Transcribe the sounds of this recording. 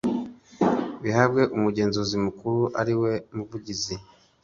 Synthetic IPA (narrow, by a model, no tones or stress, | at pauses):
βihabɡe̞ʔumuɟe̞ːnzozimukuɾuʔaɾiwe̞muvuɟizi